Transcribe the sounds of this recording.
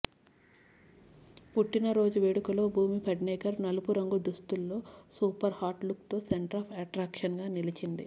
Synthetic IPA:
puʈːinɐɾo̞ːd͡ʒuʋeːɽukulo̞ːbʱuːmipɐɖneɛːkɐɾnɐlupuɾɐŋɡud̪ust̪ulːo̞ːsuːpɐɾhaːɾʈluk̚t̪o̞ːseɳʈɐɾɐːpʰɐʈɾaːkʂɐnɡaːnilit͡ʃind̪ḭ

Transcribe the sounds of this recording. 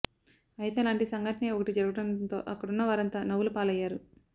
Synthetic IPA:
ɐjt̪e̞ːlaːɳʈisɐŋɡɐʈɐneːɔkɐʈid͡ʒɐɾuɡɐɽɐnt̪o̞̰ːʔɐkːɐɽunːɐʋaːɾɐnt̪aːnɐʋulupaːlɐjːaːɾu

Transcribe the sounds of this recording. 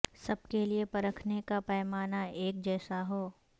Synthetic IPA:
sɐb̚keliepɐɾəkʰnekapɛːmaːnaʔeːk̚d͡ʒɛːsaɦoː

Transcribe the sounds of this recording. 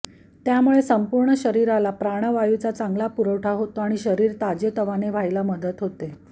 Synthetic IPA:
t̪jamuɭesəmpuɾɳəɕəɾiɾalapɾaɽ̃əʋajut͡sat͡saŋɡlapuɾəʋʈʰaɦot̪oaɽ̃iɕəɾiːɾt̪ad͡ʑet̪əʋaneʋʱajlaməd̪ət̪ɦot̪e

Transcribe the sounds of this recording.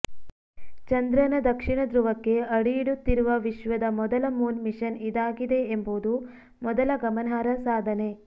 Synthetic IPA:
t͡ʃɐnd̪ɾɐnɐd̪ɐkʂiɳɐd̪ɾuʋɐkːe̞ɐɽiiɽut̪ːiɾuʋɐʋiʃʋɐd̪ɐmɔd̪ɐlɐmuːnmiʃɐnid̪aːɡid̪e̞ːmboːd̪u | mɔd̪ɐlɐɡɐmɐnɦaːɾɐsaːd̪ʱɐne̞

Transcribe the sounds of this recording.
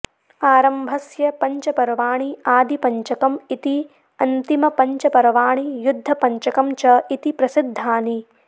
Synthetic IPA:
aːɾɐmbʱɐsjɐpɐɲt͡ʃɐpɐɾɐʋaːɳiaːd̪ʱipɐɲt͡ʃɐkɐmit̪i | ɐnt̪imɐpɐɲt͡ʃɐpɐɾɐʋaːɳijud̪ʱːɐpɐɲt͡ʃɐkɐmt͡ʃɐit̪ipɾɐsid̪ʱːaːni

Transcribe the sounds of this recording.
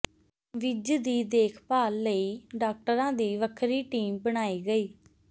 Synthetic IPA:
ʋɪd͡ʒd̪iːd̪eːkʰpaːlːəiːɖaːk̚ʈəɾãːd̪iːʋəkʰɾiːʈiːmbəɽaːiːɡəiː

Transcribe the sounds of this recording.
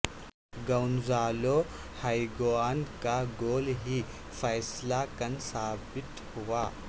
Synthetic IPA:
ɡɐwnzaːlo | hajɡoaːnkaɡoːlɦi | fʰɐjslakɐnsaːbɪt̪huwaː

